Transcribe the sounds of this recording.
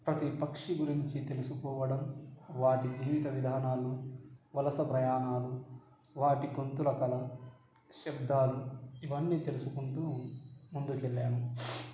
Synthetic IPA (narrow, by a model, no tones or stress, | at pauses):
pɾɐt̪ipɐkʂiɡuɾiɲt͡ʃit̪e̞lusukɔːʋɐɽɐmʋaːʈid͡ʒiːʋit̪ɐʋid̪ʱaːnaːluʋɐlɐsɐpɾɐjaːnaːlu | ʋaːʈiɡo̞nt̪ulɐkɐlɐ | ʃɐbd̪aːluiʋɐnːiːt̪e̞lusukuɳʈumund̪ukelːaːmu